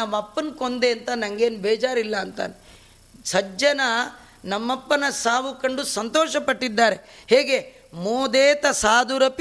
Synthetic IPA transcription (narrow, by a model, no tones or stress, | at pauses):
ɐmːɐpːɐnkond̪eɐnt̪ɐnɐŋɡeːnbɛːd͡ʒaːɾilːɐːnt̪a̰ːne | sɐd͡ʒɐnɐ | nɐmːɐpːɐnɐsaːʋukɐɳɖusɐnt̪ɔːʃɐpɐʈːid̪ːaːɾe̞heːɡe | moːd̪eːt̪ɐsaːd̪uɾɐp